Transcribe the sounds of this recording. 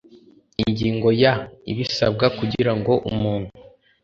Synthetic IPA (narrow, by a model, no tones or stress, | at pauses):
iɲɟiːŋɡo̞jaḭβisa̰b̚ɡakuɟiɾaŋɡo̞ʔṵmuːn̥hu